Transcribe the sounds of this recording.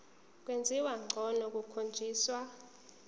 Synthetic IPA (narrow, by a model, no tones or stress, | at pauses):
k̬ʼwend͡zʱiwaŋ͡ǀʱɔnɔk̬ʼukʰond͡ʒʱiːswa